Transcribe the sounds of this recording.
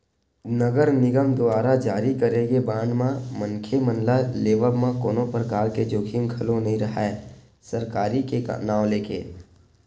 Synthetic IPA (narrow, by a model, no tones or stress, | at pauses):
nəɡəɾnɪɡəmd̪ʊaːɾad͡ʒaːɾikəɾẽɡebãːɳɖmãməŋkʰemənlaleːʋəbmãkoːnõpɾəkaːɾked͡ʒoːkʰɪmkʰɐlonɐɦĩɾɐɦae | səɾkaːɾikḛnaːwleːkḛː